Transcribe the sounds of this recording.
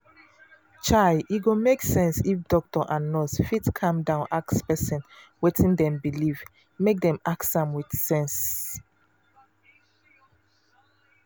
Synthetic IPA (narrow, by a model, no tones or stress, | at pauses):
t͡ʃaɪiɡomeksɛ̃nsifdɔk̚tɔʔãnːɔsfitkʰãmdãʊ̃nʔakspɛsĩnwetʰĩndɛ̃mbiliv | mek̚dɛ̃maksãmwid̥sɛ̃ns